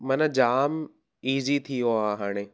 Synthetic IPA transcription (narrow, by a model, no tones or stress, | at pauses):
mɐnəd͡ʑaːm | iːzit̪ʰijoaɦaːɽ̃eː